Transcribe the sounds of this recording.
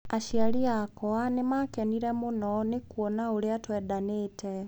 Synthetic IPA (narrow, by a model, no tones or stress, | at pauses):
aʃialiakɔanemakɛniɾɛmunɔnekuɔnaoɾeatwɛðanetʰɛ